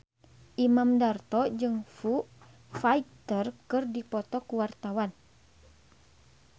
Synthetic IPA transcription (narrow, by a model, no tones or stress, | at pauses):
ʔimamdart̪ɔd͡ʒɨŋfu | fait̪ərkɨrdipɔt̪ɔkuwart̪awan